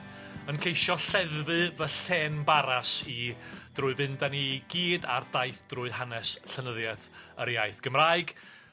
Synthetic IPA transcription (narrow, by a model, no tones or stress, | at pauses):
ənkʰejʃɔɬɛðvɨvəɬɛːnbaɾasid̥rʊːɨvɨndaniɡiːda̰rdajθd̥rʊɨɦanɛsɬənəðjɛθəɾjajθɡ̥əmraːɨɡ̥